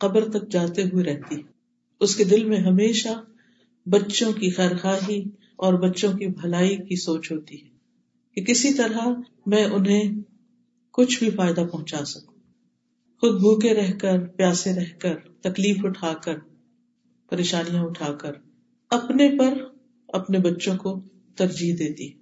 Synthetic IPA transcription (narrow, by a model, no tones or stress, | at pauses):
qɐbɾt̪ɐk̚d͡ʒaːt̪eɦʊeɾɛɦt̪iɦɛ | ʊsked̪ɪlmẽɦɐmeːʃa | bɐtːʃõkixɛːɾxaːɦi | ɔːɾbɐtːʃõkibʱɐlaːikisoːt͡ʃɦoːt̪iɦɛː | kekɪsit̪ɐɾa | mɛ̃ːʔʊnɦẽ | kʊt͡ʃʰbʱifaːɪd̪apɐɦʊ̃t͡ʃaːsɐkũ | xʊd̪̚bʱuːkeɾɛɦkəɾpjaːsẽɾɛɦkəɾt̪ɐkliːfʊʈʰaːkəɾ | pɐɾeːʃaːnijãʊʈʰaːkəɾ | ɐpnepɐɾ | ɐ̰pnebɐtːʃõko | t̪ɐɾd͡ʒiːɦd̪eːt̪iɛ